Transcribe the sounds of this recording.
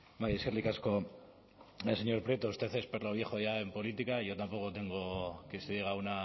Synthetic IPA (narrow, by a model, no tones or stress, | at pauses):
bajeseɾlikasko̞ | ese̞ɲo̞ɾpɾje̞t̪oust̪e̞θe̞speɾloβje̞xo̞ʝae̞mpo̞lit̪ikaʝo̞t̪ampo̞ko̞t̪e̞ŋɡo̞ke̞seðjeɣ̞auna